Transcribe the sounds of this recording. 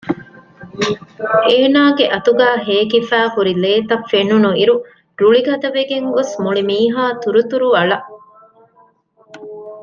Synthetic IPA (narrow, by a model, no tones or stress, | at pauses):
eːnaːɡeʔɐt̪uɡæːɦeːkifæːkuɾileːt̪ɐfːenunuiɾu | ɾuɭiɡɐd̪ɐʋeɡeŋɡosmuɭimiːɦaːt̪uɾut̪uɾuɐɭɐ